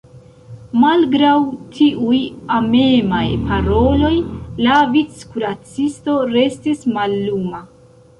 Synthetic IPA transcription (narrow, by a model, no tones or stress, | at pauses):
malɡɾawtʰiʔujame̞majpʰaɾo̞lo̞jlavit͡skuɾat͡sisto̞ɾe̞stismalːuma